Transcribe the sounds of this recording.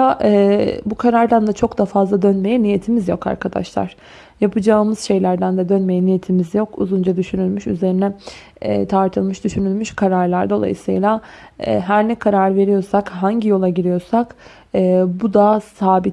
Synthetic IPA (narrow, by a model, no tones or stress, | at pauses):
aʔɛbukʰaɾaɾd̪and̪at͡ʃʰo̞kd̪afazlˠad̪ønme̞jɛnije̞t̪ʰimizjo̞ka̰ɾkʰad̪a̰ʃlˠa̰ɾ̥ | japʰɯd͡ʒaːmɯzʃe̞jlʲæɾd̪ænd̪ɛd̪ønme̞jɛnijet̪ʰimizjo̞kṵzund͡ʒad̪yʃynylʲmyʃy̰ze̞ɾinɛ | ɛ̰t̪ʰaɾt̪ʰɯlˠmɯʃd̪yʃynylʲmyʃkʰaɾaɾlˠaɾd̪o̞̰lˠa̰jɯ̰sɯ̰jlˠa̰ | ɦæɾnɛkʰaɾaɾve̞ɾijo̞sakɦaɲɟijo̞lˠaɟiɾijo̞ɾsak | ɛːbud̪asaːbit̪